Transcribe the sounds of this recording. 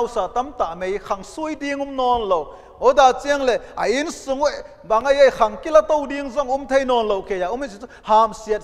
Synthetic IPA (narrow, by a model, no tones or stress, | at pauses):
wsat̪ɐmt̪amejkʰɐŋsujdiŋumnɔːnlow | odaːt͡siəŋleʔɐʔinsuŋwɛ | bɐŋɐjejxʰɐŋkilɐt̪owdiŋzɔŋumt̪ʰejnɔːnlowkʰejaʔumisit͡suhaːmsiət̚